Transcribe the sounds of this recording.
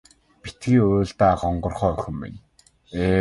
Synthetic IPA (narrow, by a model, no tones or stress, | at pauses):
pi̥t̪ɡiːoːɮt̪aːχɔɴɢɞ̆rχœːœxʲɪ̆mːɪ̰n | eː